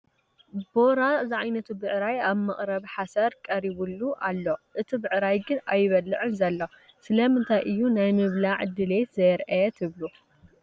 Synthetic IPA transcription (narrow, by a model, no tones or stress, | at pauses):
bo̞ɾazɨʕajnɐt̪ʰubɨʕɾajaβmɐχʼɾɐβħasɐɾkʼɐɾiβulːuʔalːoʔɨt̪ʰibɨʕɾajɡɨnajɪβɐlːɨʕɨnzɐlːo | sɨlɐmɨnt̪ʰajʔɨjːunajmɨβlaʕd̪ɨle̞t̪zɐjɾʔɐjɛt̪ʰɨβlu